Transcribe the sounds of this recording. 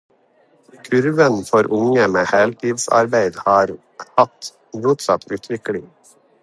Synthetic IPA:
kʰʉɾʋənfɔɾʔʊŋəmeːhɛlt̪ʰiːd̪sɑ̰ɾbæɪd̪hɑːɾ | hɑt̪ | muːt̪sɑ̰t̪ʰʉːt̪ʰʋɪklɪ

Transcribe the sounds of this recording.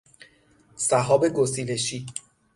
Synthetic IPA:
sæɦɒːbe̞ɡosile̞ʃiː

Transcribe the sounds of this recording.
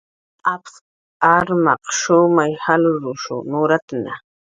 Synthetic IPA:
aps | aɾmɑqʃʊmajhalʊɾʊʃʊ̰nʊɾat̪ana

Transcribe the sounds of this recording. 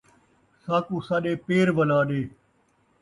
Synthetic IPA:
saːkuːsaːɗeːpeːɾʋəlaːɗeː

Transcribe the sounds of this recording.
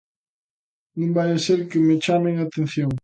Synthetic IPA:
nũmbajaseɾkɪmɪt͡ʃameŋat̪en̟θjoŋ

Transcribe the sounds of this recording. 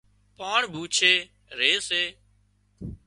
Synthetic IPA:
paːɳbʱuːt͡ʃʰeː | ɾeːseː

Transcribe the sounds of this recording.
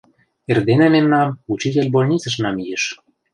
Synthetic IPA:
erd̪enĕmemnɑmut͡ɕit̪ʲelʲbolʲnʲit͡səʃ̬nɑmijeʃ

